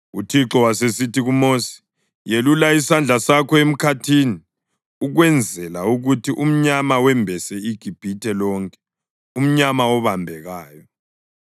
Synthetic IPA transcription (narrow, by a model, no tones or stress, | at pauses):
utʰiǁɔwasesitʰiɣumoːsi̥ | jelulaisand͡ɮʱasakʰɔem̩kʰatʰini | uɣwɛnd͡zʱɛlauɣutʰiʔum̩ɲamawɛmbʱɛsɛiɡ̥ʱib̥ʱitʰɛlɔːŋkʼɛ̥ | um̩ɲamaɔβambʱɛɣaːjɔ